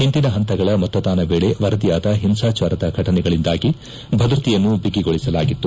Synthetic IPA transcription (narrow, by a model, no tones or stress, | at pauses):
ɦeɳʈinɐɦɐnt̪ɐɡɐɭɐmɐt̪ːɐd̪aːnɐʋeːɭe̞ʋɐɾɐd̪ijaːd̪ɐɦimsaːt͡ʃaːɾɐd̪ɐɡʱɐʈɐnɛɡɐɭind̪aːɡi | bʱɐd̪ɾut̪ijɐnːubiɡiɡoɭisɐlaːɡit̪ːu